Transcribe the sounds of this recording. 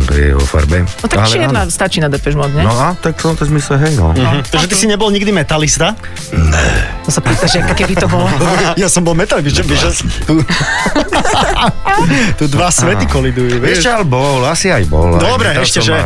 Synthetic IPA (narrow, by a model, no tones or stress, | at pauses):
t̪ɔ̰jɛ̰ʋɔ̰fa̰ɾbɛɔt̪aaljɛd̪nast̪at͡ʃiːnad̪ɛpɛʒmad̪ɲɛnɔat̪ak̚t̪ɔnt̪ɛzmislɛɦɛjnɔ̰t̪aʒɛt̪isiɲɛbɔlɲiɡd̪imɛt̪alist̪a | nɛ̰t̪ɔsapiːt̪aʒɛkkɛbit̪ɔbɔlɔjasɔmbɔlˠmɛt̪alibist͡ʃɛʋiʒɛst̪u | t̪ud̪ʋasʋɛt̪ikɔlid̪ujuʋɛʃɛalbɔlasiajbɔ̰ld̪ɔbɾɛɛʃcɛʒɛ